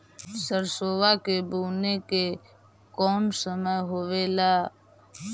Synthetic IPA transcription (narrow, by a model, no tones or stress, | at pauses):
səɾsoːʋakebuːneke | kɔːnsəməjɦoʋela